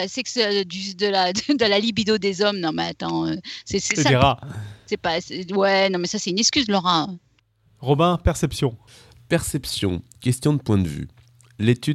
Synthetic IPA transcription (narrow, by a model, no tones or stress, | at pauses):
asɛksød̪yd̪əlad̪d̪əlalibid̪od̪ezɔmnɔ̃mɛat̪ɑ̃øsɛsɛsiʁasɛpasɛwɛnɔ̃mɛsasɛt̪ynɛskʲyzlɔʁã | ʁɔbɛ̃pɛʁsɛpsjɔ̃ | pɛʁsɛpsjɔ̰̃kʲɛst̪jɔ̃d̪əpwɛ̃d̪əvy̰ | let̪y